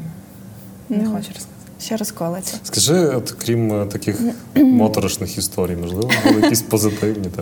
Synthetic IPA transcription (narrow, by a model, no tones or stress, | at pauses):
nxɔt͡ʃɐ | ʃɛɾɔskɔlˠɪɐskɐʒɪɔt̪kɾʲimt̪ɐkʲɪxmɔt̪ɔɾɐʃnɪxist̪ʰɔɾʲijmɔʒlˠɪʋɔbulˠɪjɐkisʲpɔzɨt̪ɪwnʲit̪a